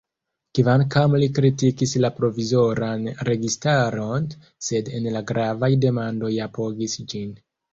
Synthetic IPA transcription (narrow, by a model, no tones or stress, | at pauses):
kivankamlikɾitikislapɾo̞vizo̞ɾanɾe̞ɡistaɾo̞n | se̞de̞nlaɡɾavajde̞mando̞japo̞ɡisd͡ʒin